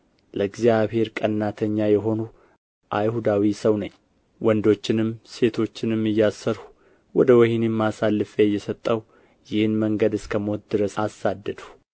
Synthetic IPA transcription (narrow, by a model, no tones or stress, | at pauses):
ləɡzjaβhe̞ɾkʼənːat̪ʰəɲːajɛɦo̞nu | ʔajhud̪awisəwnəɲː | wɔnd̪o̞t͡ʃːɪnɨmse̞t̪ʰo̞t͡ʃːɪnɨmːɨjːasːəɾhu̥ | wɔd̪əwɔhinemːasalːɨfjɛjːɛsət̪ʼːəw | jɪhɨnməŋɡəd̪ɨskʰəmo̞t̪̚d̪ɨɾəsasːad̪ːəd̪u